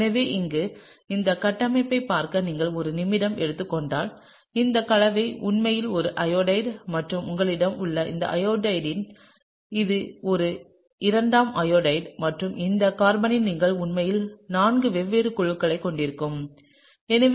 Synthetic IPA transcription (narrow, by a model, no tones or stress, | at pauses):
nɐʋeːʔɪŋɡɯ | ɪnd̪ɐkɐʈːɐmɐɪpːɐɪpːaːɾkɐniːŋɡɐɭɔɾɯnɪmːɪɽɐmʔɛɽɯt̪ːɯkːɔɳɖaːl | ɪnd̪ɐkɐɭɐʋɐɪʊɳmɐjɪlɔɾɯʔɐjoːɽɐɪɖmɐʈrɯmʊŋɡɐɭɪɽɐmʊɭːɐʔɪ̰nd̪ɐ̰ʔɐjoːɖɐɪɖɪn | ɪðɯɔɾɯ | ɪɾɐɳɖaːmɐjoːɽɐɪɖmɐʈrɯmɪnd̪ɐkaːɾbɐnɪlniːŋɡɐɭʊɳmɐjɪlnaːnɡɯʋɛʋːeːɾɯkʊɻɯkːɐɭɐɪkːɔɳɖɪɾɯkːɯm | ɛnɐʋ